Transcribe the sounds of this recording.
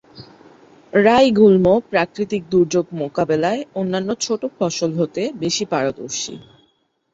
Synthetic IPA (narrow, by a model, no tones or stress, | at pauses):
ɾajɡulmopɾakɾit̪ik̚d̪uɾd͡ʑoɡmokabelaeonːanːot͡ɕʰoʈofɔʃolɦot̪ebeʃipaɾot̪o̰ʃḭ